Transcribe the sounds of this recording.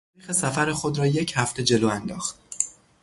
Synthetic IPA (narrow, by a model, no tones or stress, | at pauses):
ɾiːxesæfæɾexod̪ɾɒːje̞cʰhæft̪ʰe̞d͡ʒe̞loːænd̪ɒːxt̪̚